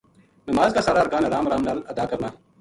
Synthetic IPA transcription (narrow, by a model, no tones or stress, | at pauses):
nɐmaːzkasaːɾaɐɾkaːnɐɾaːmɾaːmnaːlɐd̪aːkɐɾnaː